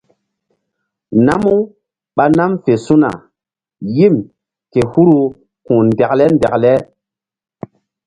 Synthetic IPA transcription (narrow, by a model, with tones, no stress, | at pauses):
na˦mu˦ | ɓa˦na˦mfe˨su˦na̰˨ | ji˦˨m | ke˨hu˦ɾu˦ | kũ˨ndɛ˨klɛ˦ndɛ˨klɛ˦